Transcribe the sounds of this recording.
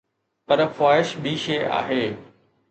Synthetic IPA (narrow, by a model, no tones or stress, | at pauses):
pɐɾfaːɪʃbʱiʃeːa̰ːɦeː